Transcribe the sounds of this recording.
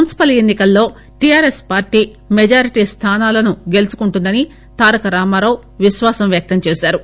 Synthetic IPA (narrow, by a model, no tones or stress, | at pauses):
unisi̥pɐlenːikɐlːo̞ː | ʈijaːɾespaːɾʈiː | med͡ʒaːɾiʈiːst̪ʰaːnaːlɐnuɡe̞lut͡ʃu̥kuɳʈund̪ɐni | t̪aːɾɐkɐɾaːmaːɾɐw | ʋiʃʋaːsɐmʋjɐk̚t̪ɐmt͡ʃeːsaːɾu